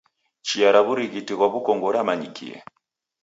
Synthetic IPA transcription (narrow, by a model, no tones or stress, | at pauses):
t͡ʃiaɾaβuɾiɣitiɣwaβukɔŋɡɔɾamaɲikḭɛ̰